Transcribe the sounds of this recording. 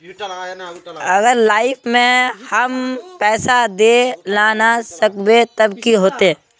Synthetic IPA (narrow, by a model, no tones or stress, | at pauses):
ɐɡəɾlaːɪfmẽhɐmpɛːsad̪elaːnasəkbet̪ɐbkiɦoːt̪eɛ̃ː